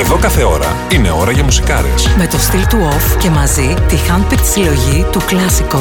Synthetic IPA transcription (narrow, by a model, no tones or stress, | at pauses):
eðo̞kɐθe̞o̞ɾɐ̰ | ine̞o̞ɾɐʝɐmusi̥kɐɾḛsme̞t̪o̞st̪ilt̪uo̞fce̞mɐzit̪ixɐnpiɾt̪i̥silo̞ʝit̪uklɐsiko